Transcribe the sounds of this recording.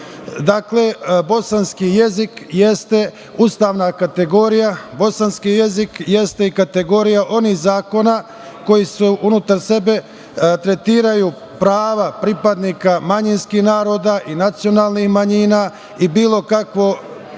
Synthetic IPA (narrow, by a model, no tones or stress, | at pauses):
d̪aːkle̞bo̞sanskije̞zikjest̪e̞ | ust̪aːʋnakat̪e̞ɡo̞ɾijabo̞sanskije̞zikje̞st̪e̞ikat̪e̞ɡo̞ɾijaʔo̞nihzaːko̞na | ko̞jisuʔunut̪aɾse̞be̞ | t̪ɾe̞t̪iːɾajuː | pɾaːʋapɾipad̪niːkamaɲinskihnaːɾo̞ːd̪aʔinat̪sijo̞naːlˠnixmaɲiːnaː | ibiːlo̞kakʋo̞